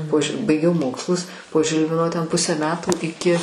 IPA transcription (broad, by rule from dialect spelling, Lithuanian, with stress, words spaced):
poː ʒʲɪ bɐɪˈɡʲɛʊ ˈmoːkslˠʊs poː ˈʒʲɪlʲʋʲɪnoː tʲɛn ˈpʊsʲæː ˈmʲæːtuː ɪˈkʲɪ